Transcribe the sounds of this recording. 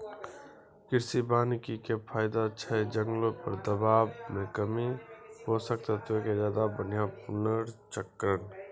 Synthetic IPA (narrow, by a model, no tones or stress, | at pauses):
kɪɾsibaːnkikepʰaːɪd̪at͡ʃʰəd͡ʒəŋɡlõpəɾd̪əbaːbmẽkəmiɦoːsəkt̪at̪okezjaːd̪abən̤ijãpʊnəɾt͡ʃəkːɾən